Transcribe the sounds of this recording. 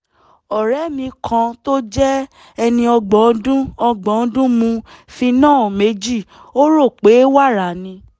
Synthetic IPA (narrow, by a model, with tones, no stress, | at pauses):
ɔ˨ɾɛ˨˦mĩ˧kʰã˧to˦d͡ʒɛ˦ | ɛ˧nĩ˧ɔ˧ɡ͡bɔ˨˦dũ˦ɔ˧ɡ͡bɔ˨˦dũ˦mũ˧fi˧nãː˦˨me˧˦d͡ʒi˦˨ | o˦ɾo˦˨k͡pe˨˦wa˦˨ɾa˨nĩ˧